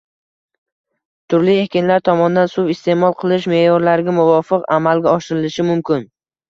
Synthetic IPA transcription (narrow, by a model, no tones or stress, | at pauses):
t̪ʰʊɾlie̞kʲɪnlaɾt̪ʰɒmɒnd̪ansʊwɪst̪ʰe̞mɒlˠqʰɨlˠɪʃme̞jɒɾlaɾɪɡʲamʊvɒfɨqamalɡʲaɒʃɪɾɪlɪʃɪmʊmkʲʰɪn